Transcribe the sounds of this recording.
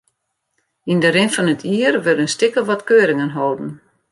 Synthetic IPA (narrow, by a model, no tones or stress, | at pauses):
indəɾɪnfɔnətʰiərʋɪldənstɪkəʋɔtkøːɾɪŋənɦɔwdn̩